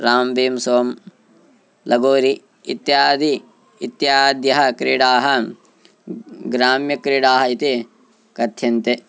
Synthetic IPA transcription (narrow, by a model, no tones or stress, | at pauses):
ɾaːmbiːmsoːm | lɐɡoːɾi | it̪jaːd̪iː | t̪jaːd̪jɐɦɐ̆kɾiɽaːɦɐ | ɡɾaːmjɐkɾiɽaːɦɐit̪i | kɐt̪ʰjɐnt̪e